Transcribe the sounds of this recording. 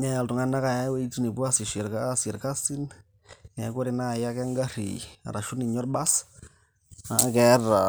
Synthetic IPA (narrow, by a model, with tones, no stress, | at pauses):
ɲa˦ja˨ltu˨ŋa˦na˦ka˨a˦we˦i˦t͡su˦ni˨bu˦a˦si˨ʃe˨ɾka˦sɛ˨ɾka˦si˦n | nɛ˨˦ko˦ɾe˨na˦˨ja˦kɛ˦ŋɡa˦ɾḭ˨a̰˨ɾa˨ʃu˦ni˨ɲɔ˦ɾba˦s | a˨˦kɛ˦ra˨